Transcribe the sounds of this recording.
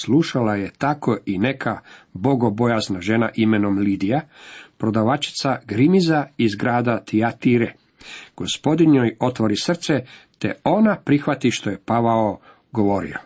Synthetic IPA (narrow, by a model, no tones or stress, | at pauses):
slˠuʃalaje̞t̪ako̞ine̞kʰabo̞ɡo̞bo̞jaznaʒe̞na̰ʔimeno̞mlid̪ijapɾo̞d̪aʋat͡ʃi̥t̪saɡɾimizaizɡɾaːd̪at̪iat̪iɾe | ɡ̥o̞spo̞d̪inojo̞t̪ʋo̞ɾisr̩t̪set̪e̞̰o̞napɾixʋat̪iʃt̪o̞je̞paʋao | ɡo̞ʋo̞ɾḭo̰